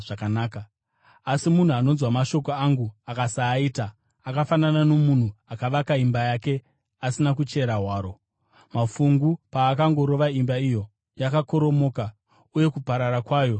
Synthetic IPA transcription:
ʐakanaːkaː | simun̤uano̞nzwamaʃo̞ko̞aŋɡuakasaːiːtaː | kafananano̞mun̤uakaʋakaimbajake̞ | asinakut͡ʃe̞ɾaɦwaːɾo̞ | mafuŋɡupaːkaŋɡo̞ɾo̞ʋaimbaijo̞ | jakako̞ɾo̞mo̞ːka | uje̞kupaɾaɾakwaːjo̞

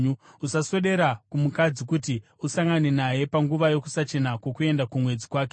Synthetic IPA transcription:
uusaso̞ɗe̞ɾakumukad͡zikuti | usaŋɡane̞naje̞paŋɡuʋajo̞kusat͡ʃe̞nakwo̞kue̞ndakumwe̞d͡zikwaːk̬e

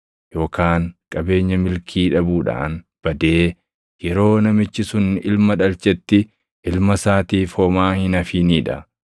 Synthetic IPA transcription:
jo̞ːkaːŋkʼɐbe̞ːɲːɐmɪlkʰiːᶑɐbuːᶑa̰ːn | b̥ɐd̪e̞ː | jɛɾo̞ːnɐmɪt͡ʃːɪsʊnɪlmɐᶑɐlt͡ʃɛt̪ːɪ | ʔɪlmɐsaːt̪iːfoːmaːhɪnɐfiːniːᶑɐ̰

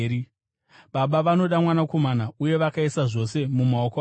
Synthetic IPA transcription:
ɾi | ɓaɓaʋano̞ɗamwanako̞manauje̞ʋakaisaʐo̞se̞mumaoko

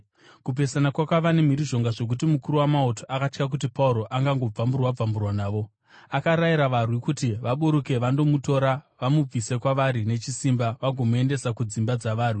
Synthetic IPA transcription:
kup̬e̞sanakwakwaʋane̞m̤iɾiʐo̞ŋɡaʐo̞k̬utimukuɾuwamauto̞ʔakat͡ʃkak̬ut̬ipauɾo̞ʔaŋɡaŋɡo̞b͡vamburwab͡vamburwanaːʋo̞ | akaɾaiɾaʋarwikutiʋaɓuɾuke̞ʋando̞muto̞ɾaʋamub͡vise̞kwaʋaɾine̞t͡ʃisimbaʋaɡʱomue̞nde̞sakud͡zimbad͡zaʋaːri

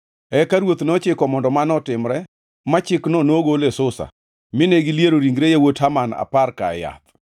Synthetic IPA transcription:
ɛkaɾwot̪nɔt͡ʃɪkɔmɔndɔmanɔtɪmɾɛ | mat͡ʃɪknɔnoɡolesʊsa̰ | mɪneɡɪlijeɾoɾiŋɡɾejewothamana̰parkaja̰t̪

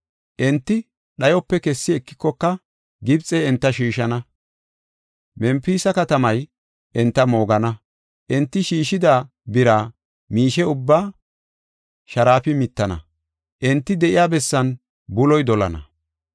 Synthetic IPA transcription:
ʔɛnt̪ːɪ | ɗɐjɔpːɛkɛsːɪɛkːɪ̥kːɔkːɐ | ɡɪbt͡sʼɛɛnt̪ːɐʃiːʃɐnɐ | mɛmpiːsɐkɐt̪ɐmɐj | ʔɛnt̪ːɐmo̞ːɡɐnɐ | ʔɛnt̪ːɪʃiːʃɪd̪aː | bɪɾaː | miːʃɛʊbːaː | ʃɐɾaːfɪmɪt̪ːɐnɐ̰ | ʔɛnt̪ːɪd̪ɛʔɪjaːbɛsːɐn | bʊlɔjd̪ɔlɐ̰nɐ̰

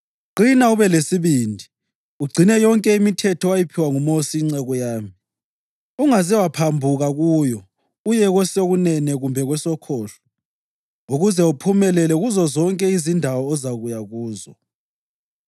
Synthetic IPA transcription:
ɡ͡ǀʱinauβɛlesiβiːndʱi | uɡ͡ǀʱinɛjɔŋkʼɛimitʰɛtʰɔwajipʰiwaŋumosiːŋ͡ǀɛɣɔjaːmi | uŋazɛwapʰambʱuɣaɣujɔ | ujɛɣwɛseɣunɛnɛɣumbʱɛɣwɛsɔkʰɔːɬɔ̥ | uɣuzɛupʰumɛlɛlɛɣuzɔzɔŋkʼɛizindʱawɔːzaɣujaɣuːzɔ

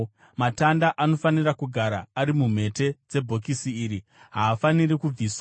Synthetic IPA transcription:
matandaʔano̞fanirakuɡʱaɾa̰ːɾimum̤e̞te̞d͡ze̞bʱo̞k̬isiːɾi | ɦaːfaniɾikuiːswa

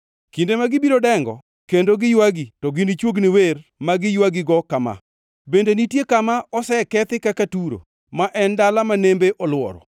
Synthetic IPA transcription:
kindemaɡɪbiɾodɛŋɡɔ̰ | kendoɡɪjwaɡitɔɡɪnit͡ʃwoɡnɪwermaɡɪjwaɡɪɡɔkama̰ | bendenitjekamaʔɔsɛkɛt̪ɪkakatuɾo̰ | maʔɛndalamanembeʔɔlwɔ̰ɾɔ̰

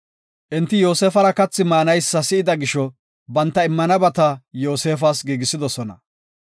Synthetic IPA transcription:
ʔɪnt̪ːɪjo̞ːseːfɐɾɐkɐt͡sːɪmaːnɐjsːɐsɪɪd̪ɐɡɪʃɔ | bɐnt̪ːɐɪmːɐnɐbɐt̪ɐjo̞ːse̞ːfaːsɡiːɡɪsɪd̪ɔsɔnɐ̰

